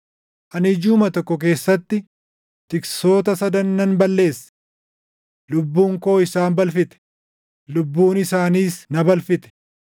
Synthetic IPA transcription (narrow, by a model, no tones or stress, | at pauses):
ʔɐnɪd͡ʒuːmɐt̪ɔkːɔk̬e̞ːsːɐt̪ːɪ | t̪ɪkso̞ːt̪ɐsɐd̪ɐnːɐnbɐlːe̞ːsːɐ̥ | lʊbːuːŋko̞ːɪsaːnbɐlfɪt̪ɛ̥ | lʊbːuːnɪsaːniːsnɐbɐlfɪt̪ɛ̥